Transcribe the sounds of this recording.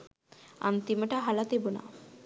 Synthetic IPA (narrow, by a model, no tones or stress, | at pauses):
a̰nt̪imeʈaɦalat̪ebuna̰